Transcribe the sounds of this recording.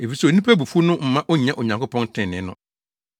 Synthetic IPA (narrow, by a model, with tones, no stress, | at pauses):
e˨fi˨sɛ˨nĩ˦pʰæ˦˨bu˨fu˦nʊ̃˦m̩˨mã˦ʔɔ˦ɲ˨ã˦ʔo˨ɲã˨ŋko˦pʰɔ̃˦n˦tʰɪ̃˨nɪ̃˨˦nʊ̰̃˦